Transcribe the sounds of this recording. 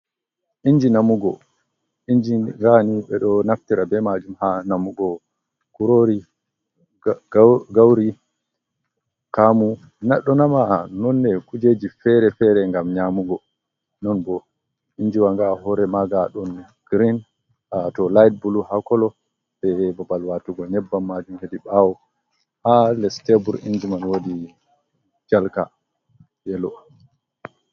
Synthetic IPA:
ʔiɲd͡ʒinamuɡɔ̰ | ʔiɲd͡ʒiŋɡaniɓɛɗɔnaftiɾabɛmad͡ʒumhanamuɡɔ | kuɾoɾi | ɡɡawɾi | kamu | naɗɔnamanɔnːɛkud͡ʒed͡ʒifɛɾɛfɛɾɛŋɡamɲamuɡɔ | nɔnbɔ | iɲd͡ʒiwaŋɡahɔɾɛmaɡaɗɔn | ɡ̥ɾin | atɔlajt̚buluhakɔlɔ | bɛbɔbalwatuɡɔnɛbːamːad͡ʒumhediɓawɔ | halɛstebuɾiɲd͡ʒimanwodi | d͡ʒalka̰ | jɛlɔ

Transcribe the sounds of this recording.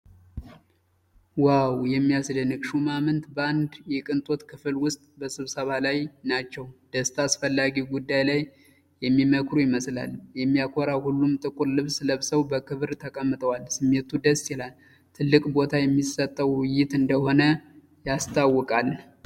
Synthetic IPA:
wawjɛmːijasd̪ənɨkʃumamɨnt̪bəand̪jɛkʼɨnt̪ʼo̞t̪kʰɨfɨlwʊst̪ʼbəsɨβsəβalajnat͡ʃːɛwd̪̥əst̪ʰasfəlːaɡiɡud̪ːajlaj | jɛmːiməkɾujɪməsla̰ljɛmːijakʰo̞ɾawhulːumt̪ʼɨkʼuɾlɨβsləβsəwbəkʰɨβɾt̪ʰəkʼəmːɨt̪ʼəwalsɨmːe̞t̪ʰud̪əst̪jɛlal | t̪ʰɨlːɨkʼbo̞t̪ʰajɛmːisət̪ʼːəwwɪjɪt̪ɨnd̪əho̞nə | jast̪ʰʼawːɔkʼal

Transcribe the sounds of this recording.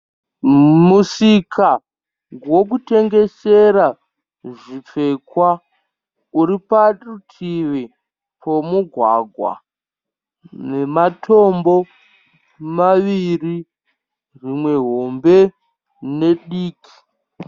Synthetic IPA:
musikʰa | ɡwo̞k̬ute̞ŋɡe̞seɾa | ʐip͡fekwa | uɾiparutʰiʋi | pʰomuɡʱwa̰ɡʱwa̰ | nematʰo̞mbo̞ | maʋiri | rimwe̞ɦo̞mbe̞ | ne̞ɗiːkʰi̥

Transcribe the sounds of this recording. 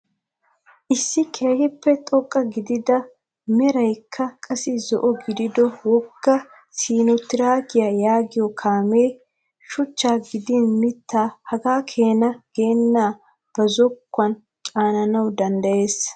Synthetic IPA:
ʔɪsːɪkʰe̞ːhɪpːɛt̪ʼɔkʼːɐɡɪd̪ɪd̪ɐ | mɛɾɐjkʰːɐkʼɐsɪzɔʔɔɡɪd̪ɪd̪ɔwɔɡ̥ːɐ | siːnɔt̪ːɪɾaːɡɪjajaːɡɪjɔkʰaːme̞ː | ʃʊt͡ʃːaːɡɪd̪ɪnmɪt̪ʰːaːhɐɡaːkʰe̞ːnɐɡ̥e̞ːnːaː | b̥ɐzɔkːɐn | t͡ʃʼaːnɐnɐwd̪ɐnd̪ɐjeːs

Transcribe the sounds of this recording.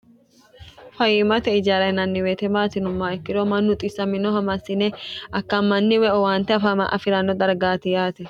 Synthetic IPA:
fɐjɪmɐt̪ɛɪd͡ʒaːɾɐjnɐnːɪweːt̪ɛmaːt̪ɪnʊmːaɛkːɪd̪omɐnːʊt̪ʼɪsːɐmɪnɔɦɐmɐsːɪnɛʔɐkːɐmːɐnːɪwɛʔɔwaːnt̪ːɛɐfamɐ̰ʔɐ̰fɪɾɐnːɔd̪ɐɾɡaːt̪ɪjaːt̪ɛ

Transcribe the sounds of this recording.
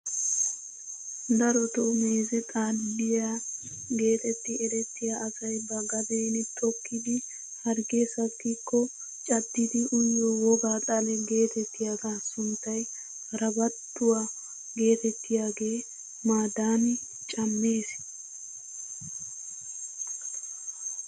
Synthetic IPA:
d̪ɐɾɔt̪ɔmeːzɛt̪ʼaːlbɪjaː | ɡe̞ːt̪ɛt̪ːɪɛɾɛt̪ːɪjaʔːsɐjbɐɡɐb̪ejnɛt̪ʰʼɔkːɪd̪ɪ | hɐɾɡeːsɐtːɪkːɔ | t͡ʃʼɐd̪ːɪd̪ɪʔʊjːɔwɔɡaːt̪ʼɐlɛɡe̞ːt̪ɛt̪ːɪjaːɡaːsʊnt̪ːɐj | ɾɐbɐt̪ːʊwa | ɡe̞ːt̪ɛt̪ːɪjaːɡe̞ː | maːd̪aːnɪ | t͡ʃʼɐmːe̞ːs

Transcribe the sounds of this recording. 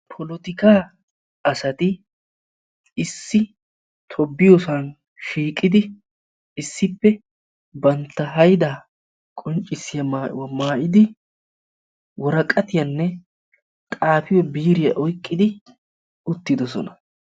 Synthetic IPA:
pʰɔlɔt̪ɪkaː | ɐsɐt̪ɪ | ɪsːɪ | t̪ʰɔbːɪjɔsɐn | ʃiːkʼːɪd̪ɪ | ɪsːɪpːɛ | bɐnt̪ːɐɦɐjɪd̪ɐ | kʼɔnt͡ʃʼːɪsːɪjɐwmaːʔɪd̪ɪ | wɔɾɐkʼːɐt̪ɪjɐnːɛ | t̪ʼaːfɪjɔbiːɾɪjɐʔɔjkʼːɪd̪ɪ | ʊt̪ːɪd̪ɔsɔ̰nɐ̥

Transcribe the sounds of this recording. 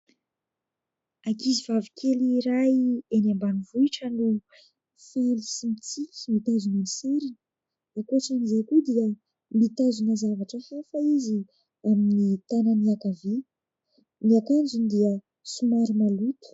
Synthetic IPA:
akizivavikʰeliɾajenambanivuiʈ͡ʂənu | felisimit͡sikʲi̥mit̪azunəniseɾin | akoʈ͡ʂanizekud̪iə | mit̪azunəzavaʈ͡ʂəhafaizi | aminit̪ananiakavi | niakand͡zund̪iə | sumaɾumalut̪u̥

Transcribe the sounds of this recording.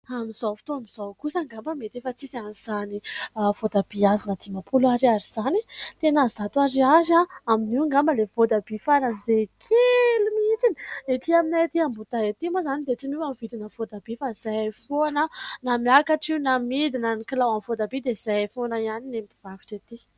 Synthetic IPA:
amizawfi̥t̪oamiz̥awkusaŋɡambəmet̪efət͡sizianiz̥aniav̥od̪ab̥iazinəd̪imapʰulaɾaɾiz̥anit̪enazat̪waɾiazaaminiŋɡambəlev̥od̪abifaɾanizekʰilumit͡siniet̪iaminaet̪iambut̪aet̪imozanid̪et͡simiwamivid̪inəvod̪abifaz̥afoanənamiakaʈ͡ʂiunamid̪inanikilawamivod̪abid̪ez̥ajfonajaninemb̪iv̥aki̥ʈ͡ʂet̪i

